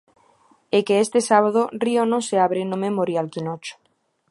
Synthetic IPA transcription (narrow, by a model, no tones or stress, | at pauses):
ekeest̪esaβ̞að̞orionõŋseaβɾenomemoɾjalkinot͡ʃo̥